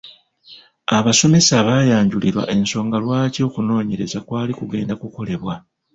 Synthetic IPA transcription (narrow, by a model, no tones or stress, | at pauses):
aβaso̞me̞saβaːjaːɲɟuliɾwa̰ʔe̞nso̞ːŋɡalwaːco̞ːkuno̞ːɲe̞ɾe̞zakwaːlikuɡe̞ːndakuko̞le̞βwa